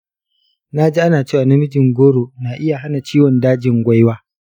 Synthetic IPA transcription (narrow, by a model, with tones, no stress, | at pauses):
na˦d͡ʒiː˦ʔa˦naː˨t͡ʃeː˦˨wa˨na˦mɪ˦d͡ʒɪ˨ŋɡʷoː˦ɽoː˨naː˨ʔɪ˦ja˨ɦa˦na˨t͡ʃiː˦wɔ˨ndaː˦d͡ʒɪ˨ŋɡʷa˦jwaː˦